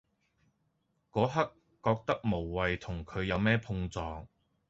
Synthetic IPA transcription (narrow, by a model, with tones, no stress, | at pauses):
kɔː˨˥ɦɐ˥kː | ɔː˧k̚t̪ɐ˥k̚mo˨˩wːɐ˨jt̪ʰʊ˨˩ŋkʰɵ˨˧ɥjɐ˨˧wmɛː˥pʰʊ˧ŋt͡sɔː˨˧ŋ